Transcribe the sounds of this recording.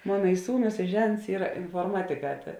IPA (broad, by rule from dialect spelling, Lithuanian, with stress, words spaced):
ˈmoːnɐ ɪ ˈsuːˌnʊs ɪ ˈʒʲɛnts ˈiːrɐ ɪnfoːrˈmɑːtʲɪˌkɑː tɐ